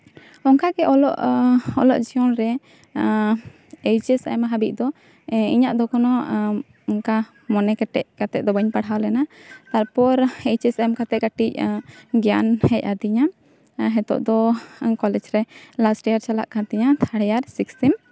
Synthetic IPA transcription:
ɔŋkaɡɛʔɔlɔʔɔlɔ̰ʔd͡ʒiɔnɾɛ | ɛjt͡ʃɛsa̰ɛmaɦabiʔ̚d̪ɔ | iɲaʔd̪ɔkɔnɔ | ɔŋka | mɔnɛkɛʈɛʔkat̪ɛʔ̚d̪ɔbaɲpaɽɦawlɛnat̪aɾpɔɾɛjt͡ʃɛsamkat̪ɛʔ̚ɡaʈic̚ɡjanhɛc̚ˀad̪iɲa | ɦɛt̪ɔ̰ʔd̪ɔkɔlɛd͡ʒɾɛlasʈɛjaɾt͡ʃala̰ʔkat̪ɛɲat̪ʰaɽɛjaɾsiksɛm

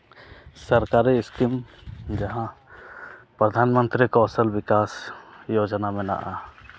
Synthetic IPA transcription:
səɾkaɾiskimd͡ʒɐɦã | pɾəd̪ʱanmə̃nt̪ɾikɔsəlbikasjod͡ʒnamɛ̃na̰ʔa

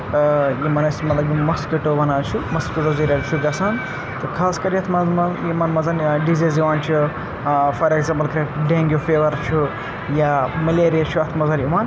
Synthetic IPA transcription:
jimɐnɐsmɐt̪lɐbjimɐskiʈoːbɐnaːt͡ʃʰumɐskʲiʈoːziɾɐlt͡ʃʰuɡɐsan | t̪ɨkʰaːskɐɾiɐt̪ʰmɐmɐjimɐnmɐzɐnɖiziziʋaːnt͡ʃʰu | fɐɾeɡzaːmpɐlkʰɐɖeːŋɡʲjofeːʋɐɾt͡ʃʰu | jamɐleːɾijɐt͡ʃʰuɐt̪ʰmɐzɐnjimaːn

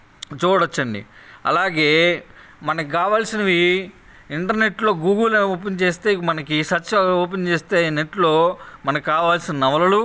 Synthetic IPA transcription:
t͡ʃuːɽot͡ʃːɐɳɖḭɐ̰laːɡe̞ːmɐnɐkikaːʋaːlsinɐʋi | iɳʈɐɾne̞ʈlo̞ːɡuːɡɐloːpent͡ʃe̞ːst̪e̞ːmɐnɐkisɐt͡ʃːoːpent͡ʃeːst̪eːineʈlo̞ːmɐnɐkikaːʋaːlsinɐnɐʋɐlɐlu

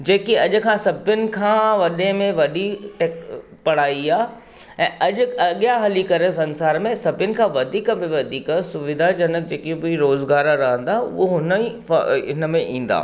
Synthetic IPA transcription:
d͡ʑeːkiɐʄʊ̆kʰãːsɐbʱjʊnɪ̆kʰãːʋɐɗẽmẽʋɐɗiʈeːk | pɐɽ̤aːiaː | ɛ̃ːʔɐʄʊɐɠjaɦɐlikɐɾəsɐ̃nsaːɾmẽsɐbʱjʊnɪ̆kʰãːʋɐd̪ʱiːkbɪʋɐd̪ʱiːkəsʊʋɪd̪ʱad͡ʒɐnək̚d͡ʑeːkibiɾoːzɡaːɾaɾɐɦə̃nd̪aːʊ̰oɦʊnəi | ɦɪnə̆mẽʔĩːn̆d̪a̰ː

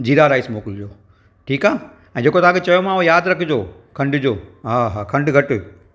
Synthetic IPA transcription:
d͡ʑiːɾaɾaːɪsmoːkɪld͡ʑoː | ʈʰiːkaː | ɛ̃ːd͡ʑeːkot̪ʰãːket͡ɕɐjomãɦojaːd̪ɾɐkʰd͡ʑoː | kʰɐ̃ɳɖd͡ʑoːɦaːɦaːkʰɐ̃ɳɖɡʱɐʈ̆

